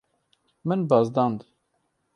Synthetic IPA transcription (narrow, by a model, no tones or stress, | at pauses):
mɨnbɑzd̪ɑnd̪